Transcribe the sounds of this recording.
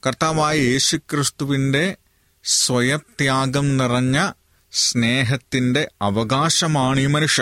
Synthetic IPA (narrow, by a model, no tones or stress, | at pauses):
kɐrt̪aːʋaːjɐjeːɕukɾist̪uʋinɖe̞ | sʋɐjɐp̚t̪jaːɡɐmnirɐɲːɐ | sneːɦɐt̪ːindeɐʋɐɡaːʃɐmaːɳimɐnuʂjɐ